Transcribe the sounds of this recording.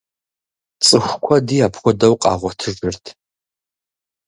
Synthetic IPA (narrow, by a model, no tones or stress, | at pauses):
t͡sʼɨxʷkʷʰɔdiapʰχʷɔdɐwqʼɑ̰ːʁʷɔtʰɨʒɨrtʰ